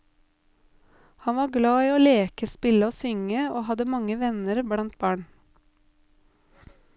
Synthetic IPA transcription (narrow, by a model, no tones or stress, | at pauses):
hɑnʋɑːɾɡlɑːiːoːleːkəspɪləoːsʏŋəoːhɑd̪əmɑŋəʋɛnəɾblɑnt̪̚bɑːɳ